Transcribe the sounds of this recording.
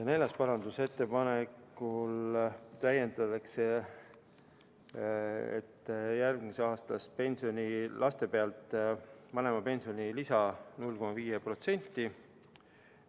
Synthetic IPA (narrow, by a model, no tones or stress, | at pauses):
ne̞lɑspɑɾɑnd̪use̞t̪ːe̞pɑnekːult̪æje̞nd̪ɑt̪ɑkse | ḛt̪ːjærɡ̥miseɑːst̪ɑspe̞nsio̞nʲilʔɑst̪e̞pe̞ɑlt̪ːˑvɑne̞mɑpe̞nʲsio̞nʲilisɑnulːko̞mɑviːjepro̞t̪se̞nʲt̪ːˑi